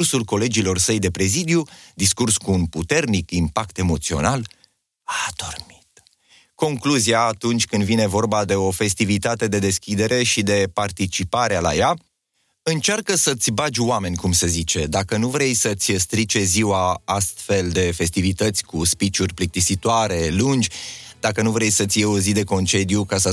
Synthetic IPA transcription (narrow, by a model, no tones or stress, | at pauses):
rsulko̞le̞d͡ʒilo̞rsəjd̪e̞pɾe̞zid̪iud̪iskurskuːnput̪e̞rnikimpakt̪e̞mo̞t̪sio̞̰nal | ad̪̥o̞rmi̥t̪ | ko̞ŋkluziaːt̪unt͡ʃʲkɨnd̪vine̞vo̞rbad̪e̞o̞fe̞s̬t̪ivit̪at̪e̞d̪e̞d̪e̞skʲid̪e̞ɾe̞ʃid̪e̞part̪it͡ʃipaɾeala̰ja | ɨnt͡ʃarkəsət̪sʲbad͡ʒʲwame̞nʲkumsezit͡ʃe̞d̪akənuvɾejsət̪sʲst̪ɾit͡ʃe̞ziwaast̪fe̞ld̪e̞fe̞st̪ivit̪ət̪sʲkuspit͡ʃurʲplik̚t̪isit̪oaɾe̞lund͡ʒʲd̪̥akənuvɾejsət̪sʲijeo̞zid̪e̞ko̞nt͡ʃe̞d̪jukasə